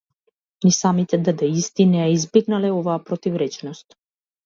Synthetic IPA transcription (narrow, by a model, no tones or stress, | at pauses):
nisamit̪ɛd̪ad̪ɛist̪inɛaizbiɡnalɛɔvaːpɾɔt̪ivɾɛt͡ʃnɔst̪